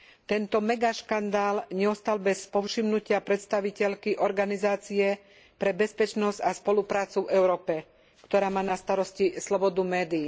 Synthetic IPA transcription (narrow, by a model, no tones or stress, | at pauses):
t̪ɛnt̪ɔmɛɡaʃkand̪aːlɲɛɔst̪albɛspɔfʃimnucɪapɾɛt̪st̪aʋicɛʎkiʔɔɾɡanizaːt͡siɛ | pɾɛbɛspɛt͡ʃnɔzɟaspɔlupɾaːt͡suvɛʊɾɔːpɛ | kt̪ɔɾaːmaːnast̪aɾɔscislɔbɔd̪umɛːd̪iː